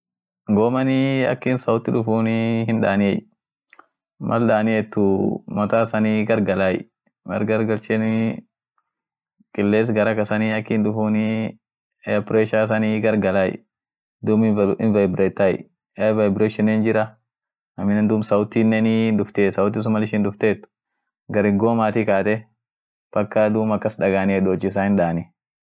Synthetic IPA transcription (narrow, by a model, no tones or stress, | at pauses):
ŋɡoːmɐnɪɐ̰kːiːnsɐwʊt̪ːɪᶑʊfuːnɪhɪnᶑa̰ːnɪɛ | mʔɐ̰lɗaːnɪɛt̪ːʊmɐt̪aːsɐniːɡɐɾɡɐlaːj̰ | mɐ̰ɾɡɐɾɡɐlt͡ʃɛn | kʼɪlːeːs̬ɡɐɾɐkɐsɐniɐkːiːnᶑʊfuːnɪ | pɾeːʃaːs̬ɐniːɡɐɾɡɐlaj | d̪uːmɪɪnvɐjbɾeːt̪ːaj | ɛvɐjbɾeːʃɛnːeːnd͡ʒɪɾɐ | ɐmɪnɛnd̪ʊːmsɐwʊt̪iːnːenid̪ʊft̪eːsɐwʊt̪̬ːɪs̬ʊmɐlɪʃɪːnd̪ʊft̪eːt̪ːʊ̥ | ɡɐɾɪŋɡoːmaːt̪ikaːt̪ɛ | b̥ɐkːɐd̪uːmɐkːɐsᶑɐɡaːnɛd̪oːt͡ʃːɪs̬aːhɪnᶑaːnɪ